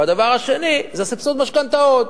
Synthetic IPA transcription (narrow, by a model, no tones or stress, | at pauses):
bad̪avaʁhaʃe̞nizesifsot̪maʃkant̪aot̪